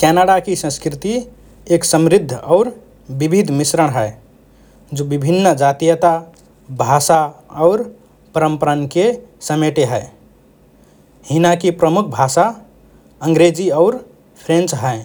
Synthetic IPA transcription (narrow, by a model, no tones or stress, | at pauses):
kɛnəɽakisə̃skɾit̪i | eksəmɾid̪ʱːaʊɾ | bibʱid̪ʱmisɾəɽ̃ɦəj | d͡ʒobibʱinːd͡ʒat̪ijət̪a | bʱasaəʊɾ | pəɾəmpəɾənkesəmeʈeɦəj | hinakipɾəmukʰbʱasa | əŋɡɾed͡ʒiəʊɾ | pʰɾẽnt͡ʃɦəe